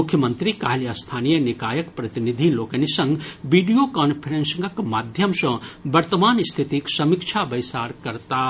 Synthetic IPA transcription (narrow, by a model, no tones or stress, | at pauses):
mukʰjəmənt̪ɾikaɦiljast̪ʰaːnijənikaːjəkpɾɐt̪inid̪ʱilokənisɐ̃ŋɡbiɖijokanpʰiɾensəŋɡəkmaːd̪ʱjəmsɐ̃bɐɾt̪əmaːnst̪ʰit̪iksɐmikt͡ʃʰabɐjsaːɾkɐɾt̪a